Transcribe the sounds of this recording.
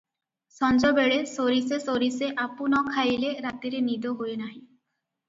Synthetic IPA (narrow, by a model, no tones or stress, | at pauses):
sɔnd͡ʒɔbeɽesoɾisesoɾiseʔapunɔkʰajleɾat̪iɾenid̪oɦoenaɦĩ